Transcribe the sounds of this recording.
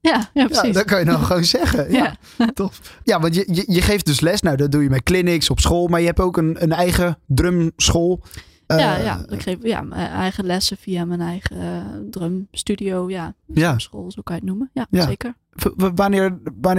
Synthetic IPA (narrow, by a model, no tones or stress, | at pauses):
jajapsidɔt̚kɔjənɔχoːnsɛɣəja | tʰɔfjaʋɑntjəjəjəχeːft̚døslɛsnawdɔdujəmɛtklɪnɪksɔpsχoːlˠmaɹjəhɛpoːkənənɛjɣədrømsχoːlˠ | əja̰kreja̰mɛjɣəlɛsəfiamɛnɛjχədrømstydijoːjajasxoːlˠsokajɪknuməjajaekəɹ | ʋanɪːɹʋan